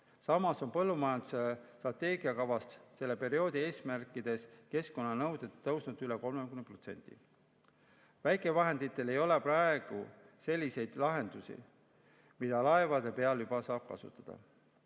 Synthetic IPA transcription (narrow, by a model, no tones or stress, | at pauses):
sɑmɑso̞npɤlːumɑjɑnd̪̥usest̪rɑt̪ːˑe̞ːɡiɑkɑvɑst̪se̞lːe̞pe̞ɾio̞ːd̪ie̞ːsmærkˑːid̪̥e̞ske̞sko̞nːɑnɤwd̪̥e̞ɤwsnud̪yleko̞lmekymnepro̞t̪se̞̰nʲt̪ḭ | væjkˑe̞vɑɦe̞nd̪̥it̪ːˑe̞le̞jo̞le̞prɑe̞ɡ̥u | se̞lʲːise̞jd̪̥lɑɦe̞nd̪̥usḭ | mid̪̥ɑlɑe̞vɑd̪̥e̞pe̞ɑljubɑsɑːb̥̚kɑ̰sṵt̪ːˑɑd̪̥ɑ̰